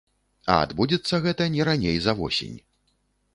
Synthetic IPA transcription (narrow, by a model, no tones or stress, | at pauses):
ɐ̰a̰d̪bud͡zʲɛt̪sːɐɣɛt̪ɐnʲɛɾanʲejzɐvɔ̰sʲḛnʲ